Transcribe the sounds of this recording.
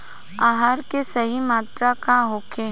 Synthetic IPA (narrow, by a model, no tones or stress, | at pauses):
aːɦaɾkesɐɦimaːt̪ɾakaɦoːkʰe